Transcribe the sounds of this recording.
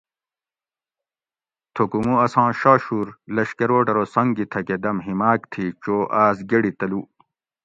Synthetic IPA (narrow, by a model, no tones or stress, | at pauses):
t̪ʰokumũɐsãːɕaːɕuːɾlɐɕkɐɾoːʈɐɾoːsɐŋɡit̪ʰɐked̪ɐmɦimaːkt̪ʰit͡ɕoːʔaːsɡeɽit̪ɐluː